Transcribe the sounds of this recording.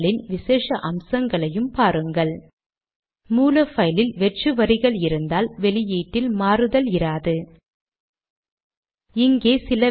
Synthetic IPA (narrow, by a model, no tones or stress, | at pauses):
ɭɪnʋɪseːʂɐʔɐmsɐŋɡɐɭɐjɯmpaːɾɯŋɡɐɭ | muːlɐfɐjlɪlʋɛʈrɯʋɐɾɪɣɐɭɪɾɯnd̪aːlʋɛlɪjiːʈːɪlmaːɾɯðɐlɪɾaːðɯ | ɪŋɡeːsɪlɐ